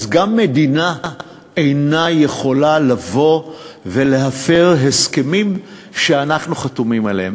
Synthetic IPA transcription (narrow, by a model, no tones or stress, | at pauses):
zɡamːe̞dina | ejnaje̞χo̞lalavo̞ve̞le̞ɦafeʁɦe̞ske̞mim | ʃeanaχnuχatumimalehem